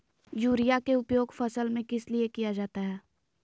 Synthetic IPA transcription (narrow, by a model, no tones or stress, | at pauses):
juːɾijakeʊpjoːɡfɐsəlmẽkɪsliekijad͡ʒaːt̪aɦɛː